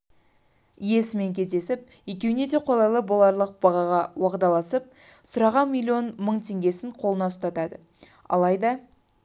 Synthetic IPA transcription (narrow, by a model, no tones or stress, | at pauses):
je̞sɪme̞ŋkʲʰe̞zd̪e̞sɪp̚ | je̞kʲe̞wɪne̞d̪e̞qʰo̞lˠɑjlˠəbolˠɑɾlˠəq̚b̥ɑʁɑʁɑwɑʁd̪ɑlˠɑsəp̚ | sʊɾɑʁɑnmʲilʲːio̞nməɴt̪ʰe̞ŋɡʲe̞sɪɴqʰo̞lˠənɑʊst̪ɑt̪ɑd̪ə | ɑ̰lˠɑjd̪ɑ